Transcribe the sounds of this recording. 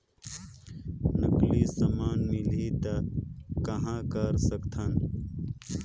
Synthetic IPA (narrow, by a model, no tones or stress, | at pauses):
nəklisəmaːnmɪlit̪akɐɦãːkəɾsəkt̪ʰən